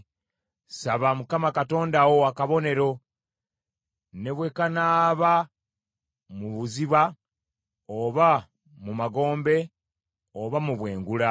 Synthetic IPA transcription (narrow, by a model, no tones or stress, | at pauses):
saβamukamakato̞ːndawowakaβo̞ne̞ɾo̞ | ne̞βwe̞kanaːβa | muβuziβa | oβa | mumaɡo̞ːmbe̞ | oβamuβwe̞ːŋɡula